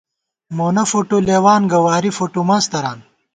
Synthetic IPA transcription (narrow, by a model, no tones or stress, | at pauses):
moːnɐfoʈoleːwaːnɡɐwaːɾifoʈumaːst̪ɐɾaːn